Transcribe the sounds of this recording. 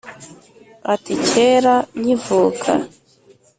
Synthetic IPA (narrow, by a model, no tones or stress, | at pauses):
aticeɾaɲivuːkʰa̰